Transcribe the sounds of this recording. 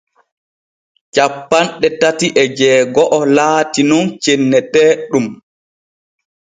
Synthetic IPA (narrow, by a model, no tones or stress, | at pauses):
t͡ʃapːanɗɛtatiʔɛd͡ʒɛːɡɔʔɔlaːtinɔnt͡ʃenːɛtɛːɗum